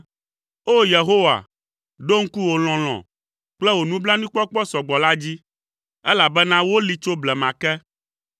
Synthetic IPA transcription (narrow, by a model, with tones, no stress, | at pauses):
o˦je˨ɦo˦wa̰˨ | ɖo˦ŋ̩˦ku˦wo˨l̃ɔ̃˨l̃ɔ̰̃˨ | k͡plɛ˦wo˨nũ˦blã˦nũ˦k͡pɔ˦k͡pɔ˦sɔ˨ɡ͡bɔ˨la˦d͡ʑi˦ | ɛ˦la˨bɛ˦nã˦wo˦li˦t͡ʃo˦blɛ˨mã˨kɛ˦